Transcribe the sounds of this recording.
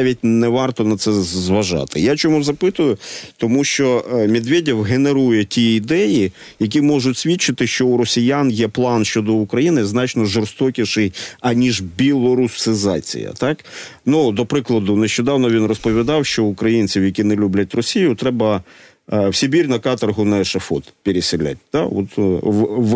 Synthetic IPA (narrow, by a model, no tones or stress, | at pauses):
ʋʲitʲnɛʋɑrt̪ɔnɐt̪sɛzʋɐʒɑ̰t̪ɪjat͡ʃɔmuzɐpɪt̪ʊjʊt̪ɔmuʃt͡ʃɔmʲid̪ʋʲedʲiwɦeneɾujɛtʲiid̪ɛji | jɐk̬ʲimɔʒʊtʲsʲʋʲitt͡ʃːɪt̪ɪʃt͡ʃɔuɾɔsʲijanjɛplˠɑnʃt͡ʃɔd̪ɔʊkɾɐjinɪznɑt͡ʃnɔʒɔrst̪ɔkʲiʃɪjɐnʲiʒbʲilˠɔɾusɪzɑ̰t͡sʲḭjɐ̰t̪ɑknud̪ɔpɾɪklˠɐd̪ʊneʃt͡ʃɔd̪ɑwnɔʋʲinrɔspɔʋʲid̪ɑwʃt͡ʃɔʊkɾɐjinʲt͡sʲiwjɐkʲinɛlʲublʲɐtʲrɔsʲijʊt̪ɾɛbɐ | wsʲibʲiɾʲnɐkɑt̪ɐrɦʊnɐɛʃɐfɔt̪pʲeɾʲɪsʲɪlʲa̰t̚ʲt̪ɑ̰ɔ̰t̪